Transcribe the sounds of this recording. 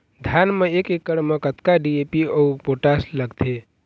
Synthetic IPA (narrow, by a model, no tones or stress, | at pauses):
d̪ʱjanmeekekːəɽmekət̪kaɖiepiəupoʈasləɡt̪ʰe